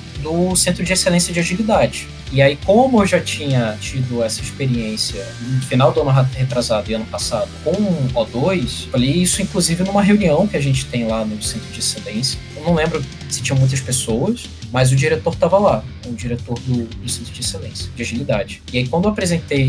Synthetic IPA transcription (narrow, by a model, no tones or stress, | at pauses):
d̪ʊsẽnt̪ɾʊd͡ʒɪeselẽsjɐd͡ʒiaʒilid̪ad͡ʒɪ | ɪaikõm̃mʊewʒat͡ʃĩɲɐt͡ʃid̪ʊɛsɐispeɾiẽsjɐ | ʊfinawd̪ʊɐ̃nʊɦahet̪ɾazad̪ʊẽɐ̃nʊpasad̪ʊkõw̃ũɔd̪ojsfalejisʊĩkluzivɪnũmɐɦeũniɐ̃w̃kɪaʒẽnt͡ʃɪ̥t̪ẽj̃lanʊsẽnt̪ɾʊd͡ʒɪeselẽsjɐ | nɐ̃w̃lẽmbɾʊ | sɪ̥t͡ʃĩɲɐ̃mũj̃t̪ɐspesowɐs | mɐzʊd͡ʒiɾet̪oɾt̪avɐla | ʊd͡ʒiɾet̪oɾd̪ʊd̪ʊsẽt̪ɾʊd͡ʒɪeselḛ̃sjɐ̥d͡ʒɪaʒilid̪ad͡ʒɪɪaikwɐ̃nd̪ewapɾezẽnt̪ej